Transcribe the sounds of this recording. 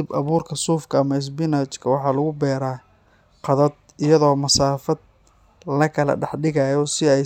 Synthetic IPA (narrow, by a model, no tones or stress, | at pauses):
ɪbʔɐβuːrkʰɐsuːfkʰɐːmɐɪs̬bɪnaːt͡ʃkʰɐwɑħɑːlʊɣʊbɛːɾaː | qɑðɐd̪ | ɪjɐðɔːmɐsaːfɐd̪̚ | lɐkʰɐlɐ̰ɖɑħɖɪɣajɔsɪɛj